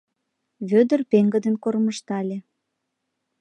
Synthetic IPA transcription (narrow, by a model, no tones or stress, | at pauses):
βød̪ərpeŋɡə̆d̪ənkorməʃt̪ɑlʲe